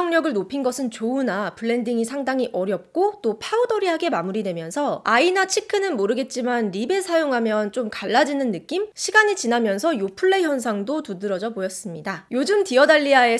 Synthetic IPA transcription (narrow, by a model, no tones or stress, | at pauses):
ʌŋɲʌɡɯɭnopʰinɡʌsʰɯnt͡ɕounapɯɭːe̞ndiŋisʰaŋdaŋiʔʌɾjʌp̚k͈ot͈opʰaudʌɾiɦaɡe̞mamuɾidwe̞mjʌnsʰʌainat͡ɕʰikʰɯnɯnmoɾɯɡe̞t̚t͡ɕ͈imanɾibe̞sʰajoŋɦamjʌnt͡ɕ͈omkaɭːad͡ʑinɯnːɯk͈imɕʰiɡaɲit͡ɕinamjʌnsʰʌjopʰuɭːe̞çjʌnsʰaŋdotudɯɾʌd͡ʑʌbojʌs͈ɯmɲidajod͡ʑɯmtiʌdaʎːiae̞